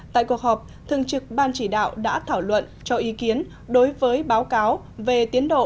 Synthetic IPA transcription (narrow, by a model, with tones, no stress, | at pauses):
t̪a̰ː˧˨jku˨˩ək̚hɔː˨˩p̚ | t̪ʰɨ˧˨əŋt͡ɕɨ˨˩k̚ɓaː˧nt͡ɕi˧˩ɗa̰ː˧˨wɗa̰ː˧˥t̪ʰaː˧˩wlwə̰˧˨nt͡ɕɔ˧ʔi˨˦ki˨˦ən | ɗo˨˦jvəː˨˦jɓaː˨˦wkaː˨˦w | ve˨˩t̪i˨˦ənɗo̰˧˨